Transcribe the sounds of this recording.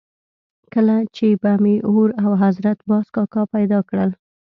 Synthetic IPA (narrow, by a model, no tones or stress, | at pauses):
kəlat͡ʃebamiʔoɾawɦazɾat̪bɑskɑkɑpajd̪ɑkɽəl